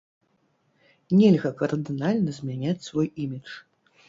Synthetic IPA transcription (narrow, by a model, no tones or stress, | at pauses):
nʲɛlʲɣɐkɐrd̪ɨnalʲnɐzʲmʲanʲat͡sʲsvɔjimʲit͡ʂ